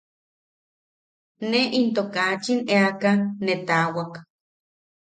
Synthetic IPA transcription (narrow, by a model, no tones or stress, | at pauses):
neʔint̪okat͡ʃineakanːet̪awak